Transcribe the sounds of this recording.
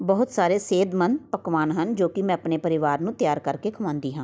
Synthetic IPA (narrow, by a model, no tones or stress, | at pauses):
bəɦʊt̪saːɾeːseːd̪mənd̪pəkʋaːnɦənd͡ʒoːkɪmɛ̃ːpneːpəɾɪʋaːɾnũːt̪jaːɾkəɾkeːkʰəʋãːnd̪iːɦãː